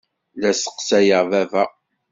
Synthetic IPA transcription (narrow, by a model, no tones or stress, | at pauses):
læsə̥qsæjəvævæ